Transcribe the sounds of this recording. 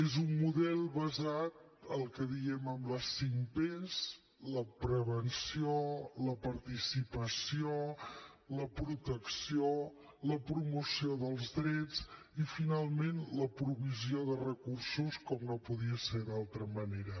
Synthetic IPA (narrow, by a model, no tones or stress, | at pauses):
ezumːuðɛlˠβəzat̪̚ | əlˠkəðiɛməmləsimpez | ləpɾəβənsioləpəɾt̪isipəsio | ləpɾut̪əksio | ləpɾumusioðəlˠzðɾɛd͡z | ifinalˠmenləpɾuβizioðərəkursuskɔmnopuðiəseðalˠt̪ɾəməneɾə